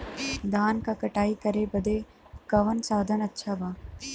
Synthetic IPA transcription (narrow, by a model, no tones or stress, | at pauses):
d̪aːnkakɐʈaːikɐɾebɐd̪e | kɐʋənsaːd̪ʱənɐtːʃʰabaː